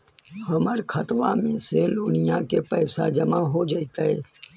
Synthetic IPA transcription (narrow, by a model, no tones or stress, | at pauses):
həməɾkʰət̪ʋa̰mẽseloːnɪjãkepɛːsa̰d͡ʒəmaɦod͡ʒəit̪aɦḛː